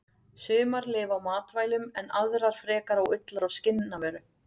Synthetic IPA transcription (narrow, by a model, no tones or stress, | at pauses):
sʏːmaɾlɪːvawmaːt̪vaːjlʏmɛnaðɾaɾ̥fɾɛːkaɾawʏt̪laɾawscɪnːavɛːɾʏ